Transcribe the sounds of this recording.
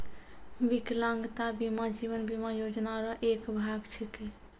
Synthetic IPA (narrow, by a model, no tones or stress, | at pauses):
biklãŋɡt̪abimad͡ʒiʋənbimajod͡ʒnaɾʌʔekbʱaɡt͡ʃʰike